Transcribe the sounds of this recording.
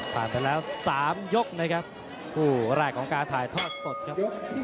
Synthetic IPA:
pʰaː˨˩npa˧jlɛː˦˥wsaː˩˦mjo˦˥k̚na˦˥kʰa˦˥p̚ | kʰuː˧˩ɾaː˧˩kʰɔː˩˦ŋkaː˧nt̪ʰaː˨˩jt̪ʰɔː˥˩t̪̚so˨˩t̪̚kʰa˦˥

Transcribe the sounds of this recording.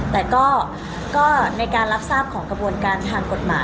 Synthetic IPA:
t̪ɛː˨˩kɔː˥˩ | kɔː˥˩na˧jkaː˧nla˦˥p̚saː˥˩p̚kʰɔː˩˦ŋkɾa˧bu˧ənkaː˧nt̪ʰaː˧ŋko˨˩t̪̚ma̰ː˩˦

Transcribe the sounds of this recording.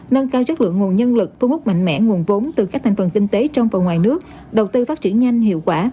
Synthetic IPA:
nə˧nkaː˧wzə˦˥t̚lɨ̰˧˨əŋːu˨˩ənɲə˧nlɨ˨˩k̚t̪ʰu˧hʊ˦˥k͡p̚ma̰˧˨ŋ̟mɛ̰˧˥˩ŋu˨˩ənvo˨˦nt̪ɨ˨˩ka˦˥kt̪ʰa˨˩ŋ̟fə˨˩nkï˧ŋ̟t̪e˨˦t͡ɕɔ˧wŋ͡mvaː˨˩wŋwaː˨˩jnɨ˦˥ək̚ | ɗə˨˩wt̪ɨ˧faː˦˥t̚t͡ɕḭ˧˩ənɲa˧jŋ̟hḭ˧˨əwkwaː˧˩

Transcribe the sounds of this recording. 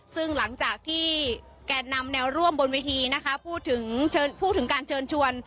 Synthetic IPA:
sɯ˥˩ŋla˩˦ŋt͡ɕaː˨˩k̚t̪ʰiː˥˩ | kɛː˧na˧mnɛː˧wɾu˥˩əmbo˧nwiː˧t̪ʰiː˧na˦˥kʰa˦˥pʰuː˥˩t̪ʰːɯ˩˦ŋt͡ɕʰɤː˧npʰuː˥˩t̪ʰːɯ˩˦ŋkaː˧nt͡ɕʰɤː˧nt͡ɕʰu˧ən

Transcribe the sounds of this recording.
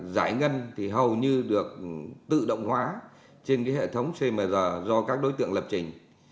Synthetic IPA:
zaː˧˩jŋə˧nt̪ʰi˨˩ɦə˨˩wɲɨ˧ɗɨ˨˩ək̚t̪ɨ̰˧˨ɗə̰˧˨wŋ͡mhwaː˨˦ | t͡ɕe˧nkaː˨˦jɦḛ˧˨t̪ʰə˨˦wŋ͡mse˧məː˨˩zəː˨˩zɔ˧kaː˦˥k̚ɗo˨˦jt̪ɨ̰˧˨əŋlə˨˩p̚t͡ɕï˨˩ŋ̟

